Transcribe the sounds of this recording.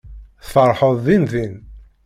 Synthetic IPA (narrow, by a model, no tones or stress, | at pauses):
θfəɾˤħəðˤðinðin